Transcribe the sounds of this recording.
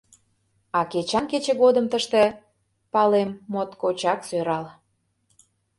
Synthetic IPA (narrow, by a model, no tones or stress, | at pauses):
ɑket͡ɕɑnket͡ɕĕɣod̪əmt̪əʃt̪ĕ | pɑlemːot̪kot͡ɕɑksøɾɑl